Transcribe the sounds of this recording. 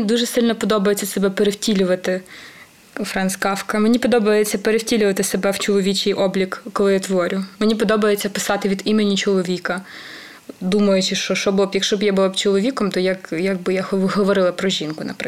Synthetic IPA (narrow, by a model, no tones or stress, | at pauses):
id̪uʒɛsɪlʲnɔpɔd̪ɔbɐjet͡sʲːɐsebɛpeɾewtʲilʲʊʋɐt̪ɪ | fɾɑnskɑfkɐmenʲipɔd̪ɔbɐjet͡sʲːɐpeɾewtʲilʲʊʋɐt̪ɪsebɛwt͡ʃɔlˠɔʋʲit͡ʃɪjʔɔblʲikːɔlˠɪjat̪ʋɔɾʲʊmenʲipɔd̪ɔbɐjet͡sʲːɐpɪ̥sɑt̪ɪʋʲid̪imenʲit͡ʃɔlˠɔʋʲikɐ | d̪umɐjʊt͡ʃɪʃt͡ʃɔʃt͡ʃɔbʊlˠɔbjɐkʃt͡ʃɔbjabʊlˠɔpt͡ʃɔlˠɔʋʲikɔmt̪ɔjɐkjɐɡ̚bɪjahɦɔʋɔɾɪlˠɐpɾɔʒʲinkʊnɐ̰pɾɪ